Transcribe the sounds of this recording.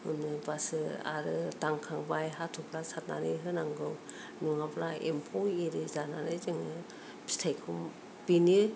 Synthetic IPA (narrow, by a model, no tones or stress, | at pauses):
hɯnɯbasɯa̰ɾɯtaŋkʰaŋbajɦatʰɔkʰɾasat̚na̰nɯjɦɯnaŋɡɯw | nuŋabɾaempʰɔwiɾɯzananɯjzɯŋɯ | bi̥stʰajkʰum | bini